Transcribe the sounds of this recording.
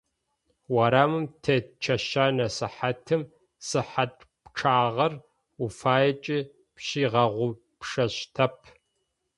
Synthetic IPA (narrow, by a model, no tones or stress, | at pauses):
wɐɾaːmɨmtʰɐt͡ʃʰɐʃaːnɐsɨħatʰɨm | sɨħatʼ | pʈ͡ʂʰaːʁɐr | ufaːjɐt͡ʃʼi | pɕiːʁɐʁʷʊ | pʂɐɕtʰɐpʰ